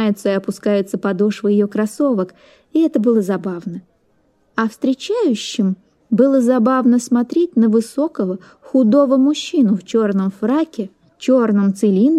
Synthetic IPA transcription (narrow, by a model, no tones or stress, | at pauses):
ajɪt̪səɪɐpʊskajɪt̪səpɐd̪oʂvəjɪjo̞kɾɐso̞vək | ɪɛt̪əbɨlˠəzɐbavnə | ɐfst̪ɾʲɪt͡ɕæjʉɕːɪm | bɨlˠəzɐbavnəsmɐt̪ɾʲet̚ʲnəvɨso̞kəvə | xʊd̪o̞vəmʊɕːinʊft͡ɕo̞rnəmfrakʲɪ | t͡ɕo̞rnəmt̪sɨlʲin